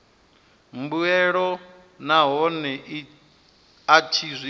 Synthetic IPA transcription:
mbuɛɺɔ | naɦɔnɛʔ | at͡ʃʰizʷi

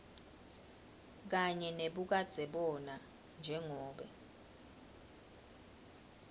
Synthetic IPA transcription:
k̬aɲɛneɓuk̬ad̥z̥ʱɛɓɔna | nd͡ʒʱɛŋɔːɓɛ̰

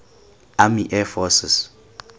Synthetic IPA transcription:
amiʔɛfɔsɛs

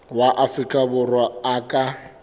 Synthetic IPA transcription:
waʔafrikʼabʊrwaakʼa

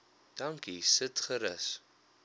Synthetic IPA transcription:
d̥ɐŋkisətχəɾəs

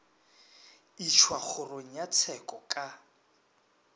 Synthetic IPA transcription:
it͡ʃʰwaχʊroŋ̩jat͡sʰɛkʼɔkʼa

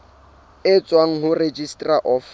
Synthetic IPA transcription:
ɪt͡sʼwaŋ̩ɦʊred͡ʒistʼraʔɔf

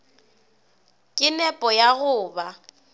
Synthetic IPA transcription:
kʼɪnɛpʼɔjaɣʊːba

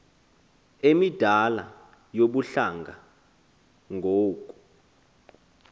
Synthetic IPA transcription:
emid̥ʱala | joɓuɬaŋɡʱa | ŋɡʱoːk̬ʼu̥

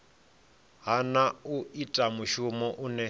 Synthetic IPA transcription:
ɦanauitʼamuʃumɔʔunɛ

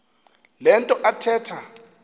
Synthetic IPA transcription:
lɛntʼɔʔatʰɛːtʰa

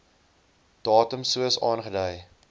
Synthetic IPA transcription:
d̥ɑːtəmsuəsɑːnχədəj

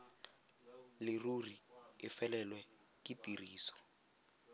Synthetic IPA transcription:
lɪruriɪfɛlɛlwɛ | kitiriːsɔ̥

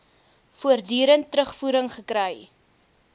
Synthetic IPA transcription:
fuərdyːɾəntɾəχfuːɾəŋχəkɾəj

